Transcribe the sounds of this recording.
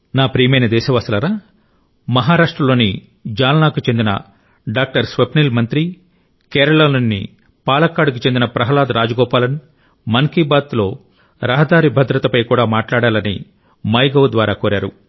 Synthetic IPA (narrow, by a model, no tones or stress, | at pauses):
naːpɾiːmɐjnɐd̪ɛːʃɐʋast̪ɐlɐɾaː | mɐɦaːɾaːʂʈɾɐlo̞ːni | d͡ʒaːlɐnaːkut͡ʃe̞nd̪inɐ̰ | ɖaːk̚ʈɐɾsʋɐpniːlmɐnt̪ɾi | kɛːɾɐɭɐnɐnːḭ | paːlɐkːaːɖuk̬ut͡ʃe̞nd̪inɐpɾɐɦɐlaːd̪ɾaːd͡ʒɐɡɔːpaːlɐni | mɐŋkibaːt̪lo̞ː | ɾɐɦɐd̪aːɾibʱɐd̪ɾɐt̪ɐpɐjkuːɽaːmaːʈlaːɽaːlɐnḭ | mɐjɡɐwd̪ʋaːɾaːkoːɾaːɾu